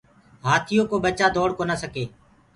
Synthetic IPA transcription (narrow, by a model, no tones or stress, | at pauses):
ɦaːt̪ʰɪjoːkoːɓət͡ʃaːd̪oːɽkoːnaːsəkeː